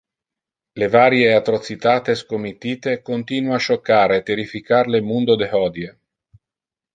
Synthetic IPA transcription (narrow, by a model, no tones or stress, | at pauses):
levaːɾjeat̪ɾot̪sit̪aːt̪eskomit̪ːiːt̪ekont̪iːnwaʃokːaːɾeːt̪eɾifikarlemund̪od̪ehɔd̪je